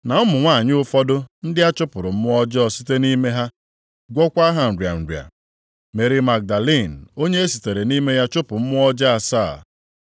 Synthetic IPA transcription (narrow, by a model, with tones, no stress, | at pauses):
na˨ʊ˦mʊ˨ŋʷa˦˨ɲɪ˦ʊ˦fɔ˦dʊ˦n̩˦dɪ˦a˦t͡ʃʊ˦pʊ˨ɾʊ˨m̩˦ʊ˦ɔ˦d͡ʒɔ˨si̥˦te˦ni˦me˦ɦa˦ | ɡʷɔ˦kʷa˦ɦa˨n̩˨ɾwja̰˨n̩˨ɾja̰˨ | me˨ɾi˨ma˨k̚da˨li˦˨n̩˨o˦ɲe˦e˦si˨te˨ɾe˨ni˦me˦ja˦t͡ʃʊ˦pʊ˨m̩˦mʊ˦ɔ˦d͡ʒa˦a˨saː˦˨